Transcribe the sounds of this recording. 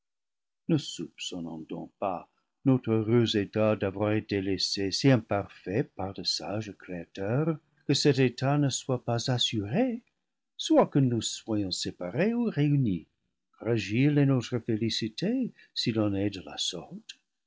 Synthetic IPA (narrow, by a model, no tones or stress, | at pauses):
nəsupsɔ̃nɑ̰̃d̪ɔ̰̃k̚pa̰ | not̪ʁəʁøzetadavwaʁetelesesiɛ̃paʁfɛpaʁdəsa̰ʒkɾeatœʁ | kəsɛtetanəswapazasyʁe | swakənuswajɔ̃sepaʁeuʁeyni | fʁaʒilenotʁəfelisitʰe | silɔ̃nɛdəla̰sɔʁt̪